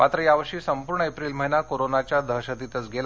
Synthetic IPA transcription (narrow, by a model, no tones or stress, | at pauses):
mat̪ɾəjaʋəʂiːsəmpuɾɳəepɾiːlm̤əɦinakoɾonat͡ɕjad̪ʱəɦɕət̪it̪ət͡sɡʱela